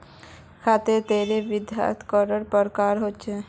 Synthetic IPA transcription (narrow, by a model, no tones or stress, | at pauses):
kʰat̪et̪eɾebid̪ja̰t̪ʰkɔɾəɾpəɾkaɾɦot͡ʃʰe